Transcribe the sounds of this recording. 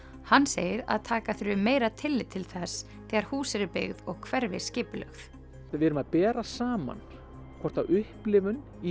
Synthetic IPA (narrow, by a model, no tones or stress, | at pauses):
hanːseːjɪɾa̰ðt̪ʰaːkaθɾʏmeːjɾat̪ʰɪlːɪt̪ʰːɪlθɛs | θɛːɣaɾ̥huːsɪɾɪpɪ̰ɣðɔɣkʰvɛɾvɪ̰scɪːpʏlœ̰xθ | vɪɛɾʏmaðpɛːɾasaːma̰n | kʰvɔr̥t̪aʏhplɪvʏn | i